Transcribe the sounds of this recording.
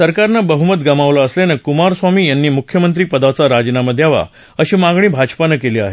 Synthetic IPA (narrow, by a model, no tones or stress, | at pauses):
səɾkaɾnabəɦumət̪ɡəmaʋlaəslenekumaɾsʋamiːjanːiːmukʰjəmənt̪ɾiːpəd̪at͡saɾad͡ʑnaməd̪ʱːjaʋa̰ | əɕiːmaɡɳ̃ĩːbʱad͡ʑpanəkeliːa̰ɦḛ